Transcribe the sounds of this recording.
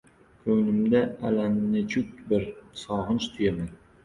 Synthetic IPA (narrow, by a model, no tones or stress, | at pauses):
kʰɵnɪmd̪aalanɪmnɪt͡ʃʰʊk̚ʲbɪɾsɒʁɨnt͡ʃt̪ʰʊjaman